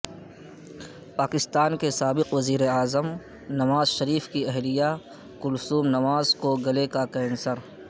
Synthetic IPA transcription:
paːkɪst̪aːnkesaːbɪqʋɐziːɾeaːzəm | nɐʋaːzʃɐɾiːfkiɛɦlija | kʊlsuːmnɐʋaːzkoɡɐlekakɛːnsəɾ

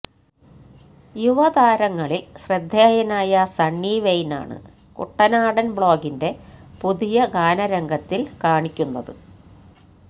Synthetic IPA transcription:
juʋɐðaːɾɐŋːɐɭilɕrɐd̪ʱːjaːjɐnaːjɐsɐɳːiːʋejna̰ːɳɨ̰ | kṵʈːɐnaːɽɐnbɭo̞ːɡinde̞puðijɐɡaːnɐɾɐŋɡʱɐt̪ːilkaːɳikʲːunːɐðɨ

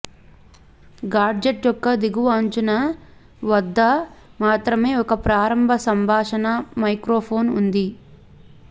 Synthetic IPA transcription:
ɡaːɾd͡ʒeʈjɔkːɐd̪iɡuʋɐːɲt͡ʃunɐ | ʋɐd̪ːɐmaːt̪ɾɐme̞ːɔkɐpɾaːɾɐmbʱɐsɐmbʱaːʂɐnɐmɐjkɾoːpʰo̞ːnund̪i

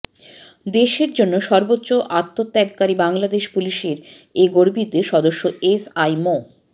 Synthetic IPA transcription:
d̪eʃeɾd͡ʑonːoʃɔɾbotːɕoʔat̪ːot̪ːɛɡkaɾibaŋlad̪eʃpuliʃeɾ | eɡoɾbit̪eʃɔd̪oʃːoesajmo

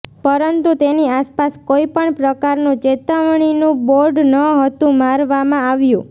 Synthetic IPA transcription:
pəɾənt̪ut̪eniaspaskoipəɳpɾəkaɾnũt͡ʃet̪aʋɳ̃inũboɾɖnəɦət̪ũmaɾʋamãaʋjũ

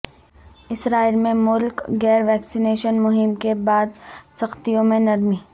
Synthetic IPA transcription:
ɪsɾaːilmẽmʊlkɡɛːɾʋɛːksineːʃənmʊɦɪmkebaːd̪sɐxt̪ijõmẽnɐɾmiː

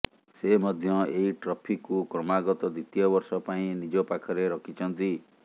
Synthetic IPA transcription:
semɔd̪ʱjɔeɦiʈɾɔpʰikːukɾɔmaɡɔt̪ɔd̪it̪ijɔbɔɾsɔpaĩnid͡ʒɔpakʰɔɾeɾɔkʰit͡ʃʰɔnt̪i

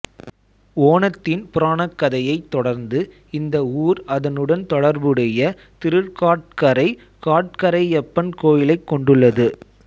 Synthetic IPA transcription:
oːnɐt̪ːɪnpʊɾaːnɐkːɐðɐjɐɪt̪ːɔɽɐɾnd̪ɯ | ɪnd̪ɐuːɾɐðɐnɯɽɐnt̪ɔɽɐɾbɯɽɐjɐ | t̪ɪɾɯɾkaːʈ̚kɐɾɐɪ | kaːʈ̚kɐɾɐɪɛpːɐnkoːjɪlɐɪkːɔɳɖɯɭːɐðɯ

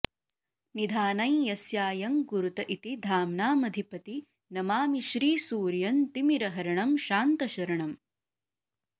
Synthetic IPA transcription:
nid̪ʱaːnɐjjɐsjaːjɐŋkuɾut̪ɐʔit̪id̪ʱaːmnaːmɐd̪ʱipɐt̪i | nɐmaːmiʃɾiːsuːɾjɐnt̪imiɾɐɦɐɾɐɳɐmʃaːnt̪ɐʃɐɾɐɳɐm

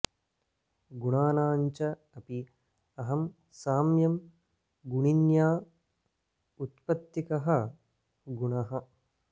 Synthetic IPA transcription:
ɡuɳaːnaːɲt͡ʃɐ | ɐpi | ɐɦɐm | saːmjɐm | ɡuɳinjaː | ut̪pɐt̪ːikɐɦɐ | ɡuɳɐɦɐ

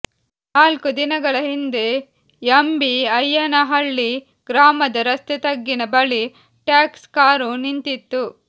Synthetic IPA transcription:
aːlkud̪inɐɡɐɭɐɦind̪e̞ | jɐmbiɐjːɐnɐɦɐɭːi | ɡɾaːmɐd̪ɐɾɐst̪et̪ɐɡːinɐbɐɭi | ʈjaːkskaːɾunint̪it̪ːu

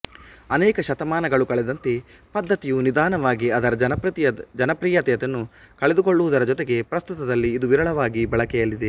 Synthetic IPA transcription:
ɐnɛːkɐʃɐt̪ɐmaːnɐɡɐɭukɐɭɛd̪ɐnt̪e | pɐd̪ːɐt̪ijunid̪aːnɐʋaːɡiɐd̪ɐɾɐɐnɐɾɐt̪d͡ʒɐnɐpɾiːjɐt̪jɐt̪enːu | kɐɭed̪uko̞ɭːuʋud̪ɐɾɐd͡ʒɔt̪eɡe̞pɾɐst̪ut̪ɐd̪ɐlːiːd̪uʋiɾɐɭɐʋaːɡibɐɭɐkɛjɐlːid̪e̞

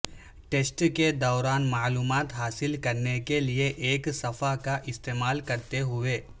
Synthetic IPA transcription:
ʈeːsʈked̪ɔːɾaːnmaːluːmaːt̪ɦaːsɪlkɐɾnekelieʔeːksɐfʰakaʔɪst̪eːmaːlkɐɾt̪eɦʊʋeː

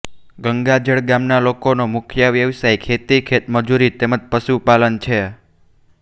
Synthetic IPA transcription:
ɡəŋɡad͡ʒəɭɡamnalokonomʊkʰjəʋjəʋsajkʰet̪ikʰet̪məd͡ʒuɾit̪eməd͡ʒpəʃupalənt͡ʃʰe

